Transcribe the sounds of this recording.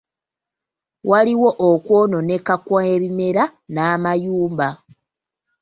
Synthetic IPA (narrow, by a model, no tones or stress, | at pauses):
waliwo̞ʔokwo̞ːno̞ne̞kakwaeβime̞ɾanaːmajuːmba